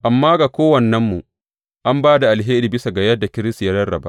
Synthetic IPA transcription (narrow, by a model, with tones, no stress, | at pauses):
ʔa˨mːaː˦ɡa˨kʷoː˦wɐ˨nːɐ˦mːu˨ | ʔa˦mbaː˦da˨ʔa˨lɦeː˦ɾiː˨bɪ˦sa˨ɡa˨jɐ˦da˨kʲɪ˦ɾɪ˦sti˨ja˦ɽɐ˦rɽɐ˨ba̰˦ʔ